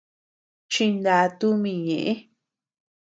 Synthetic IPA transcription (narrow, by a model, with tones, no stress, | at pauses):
t͡ʃĩ˧nd̪a˧t̪u˦mĩ˧ɲẽ˨ʔẽ˦